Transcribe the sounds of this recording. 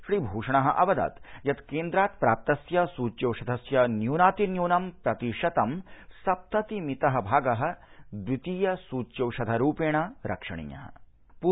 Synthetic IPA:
ʃɾiːbʱuːʂɐɳ̃ɐɦɐ̰ʔɐʋɐd̪a̰ːt̪jɐt̪keːnd̪ɾaːt̪̚pɾa̰ːp̚t̪ɐsjɐsuːt͡ʃjɐwʃɐd̪ʱɐsjɐnjuːnaːt̪injuːnɐmpɾɐt̪iʂɐt̪ɐmsɐp̚t̪ɐt̪imit̪ɐɦɐbʱaːɡɐɦɐ̆d̪ʋit̪ijɐsuːt͡ʃjɐwʃɐd̪ʱɐɾuːpeːɳɐɾʔɐ̰kʂɐɳḭːjɐ̰ɦɐ̰̆ | pu

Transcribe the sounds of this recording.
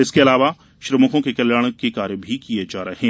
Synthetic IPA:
ɪskeɐlaːʋa | ʃɾɐmʊkõkekɐljaːɽ̃kekaːɾjəbʱikijed͡ʒaːɾɐɦeː

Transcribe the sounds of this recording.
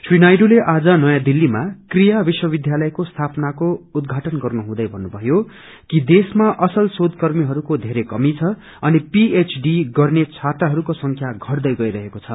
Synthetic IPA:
swinajɖoleʔad͡zʌnʌjãd̪ilːimakrijabiswʌbid̪jalʌjkost̪ʰapnakoud̪ɡʱaʈʌnɡʌrnuɦũd̪ʌjbʱʌnːubʱʌjo | kid̪esmaʔʌsʌlsod̪kʌrmiɦʌɾukod̪ʱeɾekʌmit͡sʰʌ | ʌnipiet͡sɖiɡʌrnet͡sʰat̪ʌɦʌɾukosʌŋkʰjaɡʱʌrd̪ʌjɡʌiɾʌɦekot͡sʰʌ

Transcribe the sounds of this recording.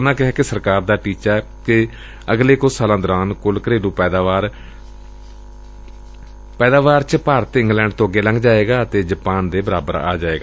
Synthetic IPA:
nãːkɪɦɛːkɪsəɾkaːɾd̪aːʈiːt͡ʃaɛː | kɪ | əɡleːkʊsaːlãːd̪ɔːɾaːnkʊlkəɾeːlũːpɛːd̪aʋaːɾ | pɛːd̪aːʋaːɾt͡ʃəpaːɾət̪ɪ̃ŋɡlɛ̃ːɳɖ̚t̪õːəɡːeːləŋɡd͡ʒaːeːɡaːət̪eːd͡ʒəpaːnd̪eːbəɾaːbəɾa̰ːd͡ʒaːeːɡaː

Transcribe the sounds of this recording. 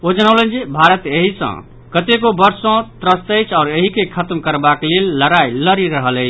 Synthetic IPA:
od͡ʒənəʊlənd͡ʒebʱaɾət̪eɦisə̰̃ | kət̪ekobəɾsõt̪ɾəst̪əjt͡ʃʰaʊɾeɦikekʰət̪mkəɾbaklelːəɾajləɾiɾəɦələt͡ʃʰ

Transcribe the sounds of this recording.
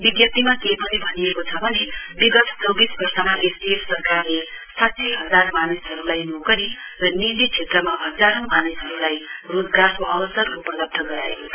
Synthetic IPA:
biɡjʌt̪imakejpʌnibʱʌnijekot͡sʰʌbʱʌnebiɡʌt̪ʰt͡sʌwbisbʌrsʌmaʔesbiessʌrkarle | sat̪sʰiɦʌd͡zarmanisɦʌɾulajnokʌɾirʌnilit͡sʰet̪rʌmaɦʌd͡zaɾõmanisɦʌɾulajrod͡zɡarkoʔʌbʌsʌrkuprʌd̪ʌp̚ʈ̪ʰʌɡʌɾa̰ḛko

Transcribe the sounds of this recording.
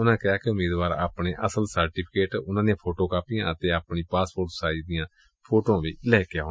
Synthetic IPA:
ʊnãːkɪaːkɪʊmiːd̪ʋaːɾa̰ːpɳeːʔəsəlsəɾʈiːpʰɪkeːʈʊnãːd̪ijãːpʰoːʈoːkaːpijãːətp̪eːaːpɳiːpaːspoɾʈsaːiːd̪ɪjãː | pʰoːʈõːʋiːlɛːkɪaoː

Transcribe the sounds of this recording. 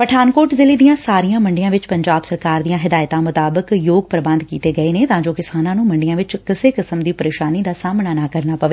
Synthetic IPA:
pəʈʰaːnkoːʈzɪliːd̪ijãːsaːɾijãːməɳɖɪjãːʋɪt͡ʃpəɲd͡ʒaːbsəɾkaːɾd̪ijãːɦɪd̪aːɪt̪ãːmʊt̪aːbəkjoːɡpəɾbənd̪kḭːt̪eːɡəeːneːt̪ãːd͡ʒoːkɪsaːnãːnũːməɳɖɪjãːʋɪt͡ʃkɪseːkəsəmd̪iːpəɾeːʃaːniːd̪aːsaːmnaːnaːkəɾnaːpəʋeː

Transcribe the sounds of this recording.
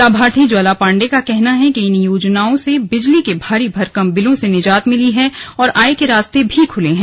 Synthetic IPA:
aːbʱaːɾt̪ʰid͡ʒaːlapãːɳɖekakɛɦnaɦɛkiɪnjoːd͡ʒnaːõsebɪd͡ʒlikebʱaːɾibʱɐɾkɐmbɪlõsenɪd͡ʒaːt̪mɪliɦɛ̃ɔːɾʔaːekeɾaːst̪ebʱikʰʊlẽɦɛ̃

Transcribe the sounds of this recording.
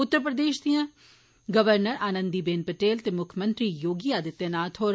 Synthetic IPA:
ʊt̪ːəɾəpɾəd̪eːʃd̪ijãː | ɡəʋəɾnəɾaːnə̃nd̪iːbeːnpəʈeːlt̪eːmʊkʰəmə̃nt̪ɾiːjoːɡiːaːd̪ɪt̪ːjãːnaːt̪ʰoːɾ

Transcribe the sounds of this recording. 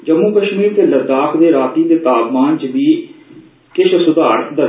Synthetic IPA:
d͡ʒəmuːkəʃmiːɾt̪eːləd̪aːkd̪eːɾaːt̪iːt̪eːt̪aːbmãːnt͡ʃʋiː | kɪʃʰsʊd̪aːɾt̪d̪ə

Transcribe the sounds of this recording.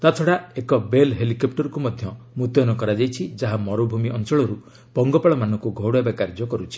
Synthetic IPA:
t̪at̪ʰɔɽaekɔbelɦelikɔp̚ʈɔɾkumɔd̪ʱjɔ | mut̪ɔnɔkɔɾad͡ʒajt͡ʃʰid͡ʒaɦamɔɾubʱumiʔɔnt͡ʃɔɭɔɾu | pɔŋɡɔpaɭɔmanɔ̃ŋkuɡʱɔwɽɔebakaɾd͡ʒɔkɔɾut͡ʃʰi̥

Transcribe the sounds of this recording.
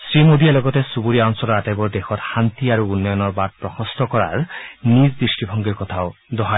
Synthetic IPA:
sɹimod̪ialɔɡɔtesubuɾiaɔŋsɔlɔɾatajbɔɹd̪exɔt̪xant̪iaɹuunːɔjɔnɔɹbat̚pɹɔxɔstɔkɔɹa̰ɹnizdɹisʈibʱɔŋɡiɹkɔt̪ʰaʊd̪ɔɦa

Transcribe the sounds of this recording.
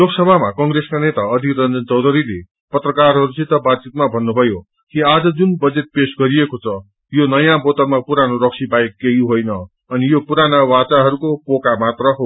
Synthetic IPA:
loksʌbʱamakʌŋreskanet̪aʌd̪ʱikrʌnd͡zʌnt͡sʌwd̪ʱʌɾile | pʌt̪rʌkarɦʌɾut͡sʰit̪ʌbad̪̚t͡sit̪mabʱʌnːubʱʌjo | kiad͡zʌd͡zunbʌd͡zet̪̚pesɡʌɾiekot͡sʰʌ | jonʌjãbot̪ʌmapuɾanoɾʌksʰibajekːeɦiɦojnʌ | ʌnijopuɾanawat͡saɦʌɾukopokamat̪rʌɦo

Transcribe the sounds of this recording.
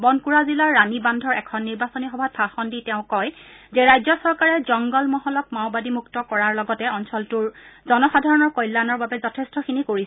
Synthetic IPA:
bɔnkuɹazilaɹːanibandʱɔɹɛkʰɔnːiɹbasɔnixɔbʱat̚pʰaxɔnditɛʊ̃kɔjzɛɹajzɔsɔɹkaɹɛzɔŋɡɔlmɔɦɔlɔk̚maʊbadimuktɔkɔɹaɹlɔɡɔtɛɔnsɔltʊɹzɔnɔxadʱaɹɔnɔɹkɔjlːanɔɹbabɛzɔtʰestɔxinikoɹisɛ

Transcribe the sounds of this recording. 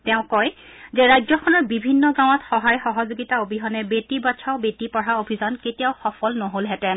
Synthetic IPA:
tɛʊ̃kɔj | zɛɹajzɔkʰɔnɔɹbibʱinːɔɡãw̃ɔtxɔɦajxɔɦɔzoɡitaobʱiɦɔnɛbetibat͡ʃʰaʊbetipɔɹaobʱizɔnketijaʊxɔfɔlnɔɦolɦɛtɛ

